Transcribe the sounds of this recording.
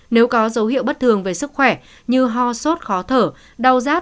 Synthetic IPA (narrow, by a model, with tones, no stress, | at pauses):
ne˨˦wkɔ˨˦zə˨˦whḭ˧˨əwɓə˦˥t̚t̪ʰɨ˨˩əŋve˨˩sɨ˦˥k̚xwɛ˧˩ | ɲɨ˧ɦɔ˧˩so˦˥t̚xɔ˨˦t̪ʰəː˧˩ | ɗə˨˩wzaː˦˥